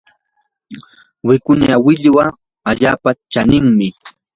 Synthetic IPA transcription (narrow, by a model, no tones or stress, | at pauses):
wɪkʊnawɪʎwa | aʎaːpat͡ʃanɪŋmɪ